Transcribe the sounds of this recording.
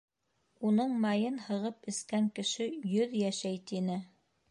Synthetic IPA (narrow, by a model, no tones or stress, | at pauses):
unɤɴmɑjɤnhɤ̆ʁɤpɘ̆skæŋkɘ̆ʃɘjɵðjæʃæjt̪inɘ